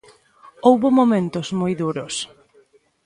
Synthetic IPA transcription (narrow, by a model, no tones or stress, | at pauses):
owβʊmomẽnt̪ʊzmojðuɾʊs